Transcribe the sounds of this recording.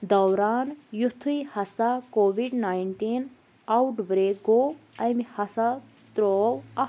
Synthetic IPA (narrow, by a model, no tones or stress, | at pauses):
d̪ɐwɾaːnjut̪ʰːujhɐsakoːʋiɖnaːjɳʈin | ɐwʈbɾeːɡoːɐmihɐsa | t̪ɾoːwɐ